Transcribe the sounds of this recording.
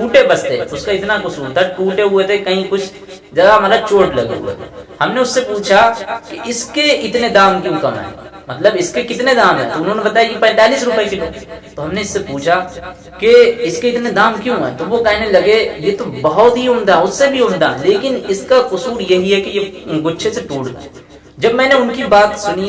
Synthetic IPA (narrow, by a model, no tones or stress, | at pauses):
ʈuːʈebɐst̪ḛʊskaɪt̪nakʊsuːɾt̪ʰaʈuːʈeɦʊet̪ʰekɐɦĩkʊt͡ʃʰ | d͡ʒɐɡamaːɾat͡ʃoːʈlɐ̰ɡḛɦʊ̰ḛhɐmneʊsːepuːt͡ʃʰakeɪskeɪt̪ned̪aːmkjõkɐmɦɛ̰ːmɐt̪ləbɪskekɪt̪ned̪aːmɦɛ̰ːt̪oʊnɦõnebɐt̪aːjakipɛ̃ːnt̪aːliːsɾʊpəekit̪ot̪oɦɐmneɪsːepuːt͡ʃʰa | keɪskeɪt̪ned̪aːmkjõɦɛ̰ːt̪oʋokɛɦnelɐɡejet̪obɐɦʊt̪ɦiʊmd̪aʊsːebʱiʊmd̪aleːkɪnɪskakʊsuːɾjɐɦiɦɛkejeɡʊʃʰeseʈuːʈɡ̪a̰e | d͡ʒɐbmɛ̃ːneʊnkibaːt̪sʊni